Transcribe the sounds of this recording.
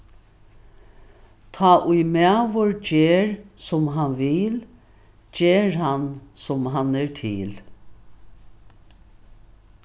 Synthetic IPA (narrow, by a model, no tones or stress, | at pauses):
t̪ʰaːʔʊjmæːʋɔɹd͡ʒeːɹsʊmɦanʋɪl | d͡ʒeːɹɦansʊmɦanɛɹtʰɪːl